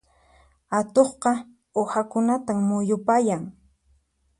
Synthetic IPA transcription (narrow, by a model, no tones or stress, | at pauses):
at̪oχqɑ | ohakʊnat̪aŋmʊjʊpajaŋ